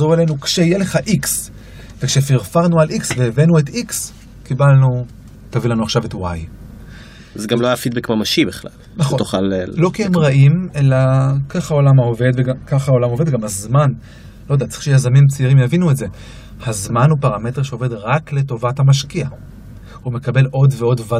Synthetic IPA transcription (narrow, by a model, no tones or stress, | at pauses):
zoʁelenukʃeijele̞χaʔiks | vekʃefiʁfaʁnualʔiksveːvenuetiks | kibalnu | tavilanuaχʃavetwaj | zeɡamlojafid̚bekmamaʃibeχla̰l | naχot̪uχallo̞kiemʁaʔime̞lakaχhao̞lamaove̞d̪veɡakaχhao̞lamo̞ve̞d̪ɡamazman | lo̞jdatt͡sʁi̥ʃejazamimt͡siʁimjavinuetze̞ | hazmanhupaʁame̞teʁʃeove̞dʁakle̞to̞vathamaʃkia | ume̞kabe̞lo̞dveo̞dva